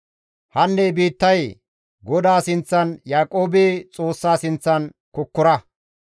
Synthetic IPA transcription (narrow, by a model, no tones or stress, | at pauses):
hɐnːebiːt̪ːɐj | ɡɔd̪aːsɪnt͡sːɐnjaːkʼo̞ːbeːt͡sʼo̞ːsːaːsɪnt͡sːɐn | kɔkːʊɾɐ